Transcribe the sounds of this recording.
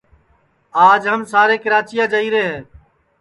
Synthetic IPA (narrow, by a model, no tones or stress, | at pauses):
aːd͡ʒɦəmsaːɾeːkəɾaːt͡ʃijaːd͡ʒəiːɾeːɦeː